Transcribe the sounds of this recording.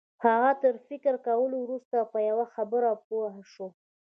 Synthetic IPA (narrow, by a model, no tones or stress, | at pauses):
haɣat̪əɾfɪkəɾkawəlowɾust̪apəjawaxabəɾapoɦaʃo